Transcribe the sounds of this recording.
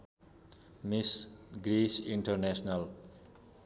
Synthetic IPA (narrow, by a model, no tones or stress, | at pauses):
misɡɾisiɳʈʌɾnesnal